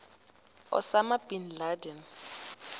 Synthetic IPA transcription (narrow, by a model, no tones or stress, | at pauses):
ɔ̰samabʼin̩ladɛn